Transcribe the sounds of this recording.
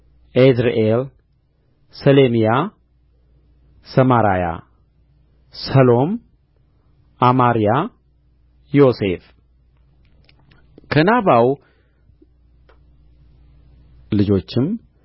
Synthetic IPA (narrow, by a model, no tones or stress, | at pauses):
ʔezɾeʔel | səlemija | səmaɾa̰ja̰ | səlo̞m | amaɾija | jo̞se̞f | kʰənaβaw | lɨd͡ʒo̞t͡ʃːɪm